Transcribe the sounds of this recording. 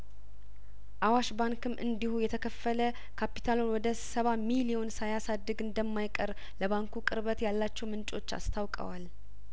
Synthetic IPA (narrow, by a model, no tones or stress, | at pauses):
ʔawaʃbaŋkɨmʔɨ̰nd̪ihujɛt̪ʰəkʰəfːələ | kʰapi̥t̪ʰalonwɔd̪əssəβamilio̞nsajasad̪ːɨɡɨnd̪əmːajkʼəɾ | ləβaŋkukʼɨɾβət̪jalːat͡ʃːɛwmɨnt͡ʃʼo̞t͡ʃːa̰st̪ʰawkʼə̰wal